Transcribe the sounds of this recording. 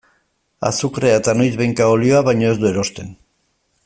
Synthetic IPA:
a̰sukɾeat̪anojzβejŋkaolio̞aβajɲo̞e̞zd̪ue̞ɾo̞st̪e̞n

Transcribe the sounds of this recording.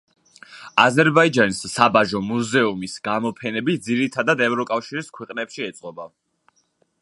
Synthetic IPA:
azɛɾbaid͡ʒanisːabaʒɔmuzɛumisɡ̥amɔpʰɛnɛbit̚d̪ziɾit̪ʰad̪ad̪ɛvɾɔkʼafʃiɾiskʰwɛqʼnɛpʃiɛt̪sʼqʼɔba

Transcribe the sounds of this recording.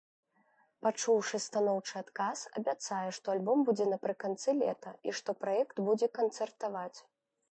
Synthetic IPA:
pat͡ʂuwʂɨst̪anɔwt͡ʂɨat̪kasɐ̰bʲat̪sajɛʂt̪ɔalʲbɔmbud͡zʲɛnɐpɾɨkant̪sɨlʲɛ̰t̪ɐiʂt̪ɔpɾajɛkt̪bud͡zʲɛkɐnt̪sɛrt̪avat͡sʲ

